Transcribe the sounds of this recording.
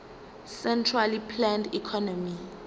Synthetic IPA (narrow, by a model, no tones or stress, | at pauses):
sɛntʰralipʰlɛndikʰɔnɔmi